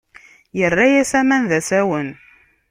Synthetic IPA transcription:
jərːajæsæmænðæsæwən

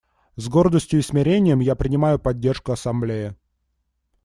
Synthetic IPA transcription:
zɡo̞rd̪əsʲtʲjʊɪsmʲɪɾʲenʲɪjəmjapɾʲɪnʲɪmajʊpɐdʲːe̞rʂkʊɐsɐmblʲejɪ

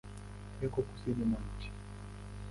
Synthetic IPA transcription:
ɛkɔku̥siniman̩t͡ʃi̥

